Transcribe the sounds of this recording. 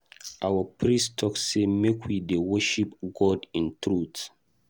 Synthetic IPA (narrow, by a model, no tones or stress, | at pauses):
ʔawəpɹistʰɔksemekʰwidewəʃipɡɔdĩntɹut